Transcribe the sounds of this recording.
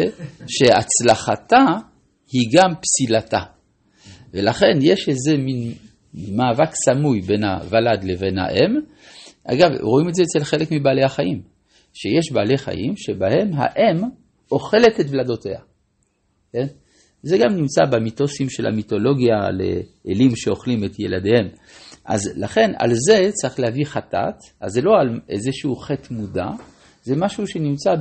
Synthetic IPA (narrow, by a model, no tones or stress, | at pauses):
ʃe̞a̰t͡slaχata | hiɡampsilata̰ | velaχe̞njeʃezemin | maːvaksamujbe̞nha̰valad̪leve̞nha̰ʔem | ʔa̰ɡavʁoimetzeːt͡selχe̞lekmibaːlehaχaʔim | ʃejeʃbaːleχa̰jḭmʃebahe̞mɦa̰ʔe̞m | o̞χe̞le̞tetvlado̞teha̰ | ken | zeɡamnimt͡sabemito̞simʃelha̰mito̞lo̞ɡjalḛʔelimʃe̞o̞χlimetjḛladehem | ʔa̰zlaχe̞na̰lze̞t͡saʁiχlehaviχata̰t | a̰zelo̞alʔḛzeʃuuχetmuda | zemaʃuʃenimt͡sa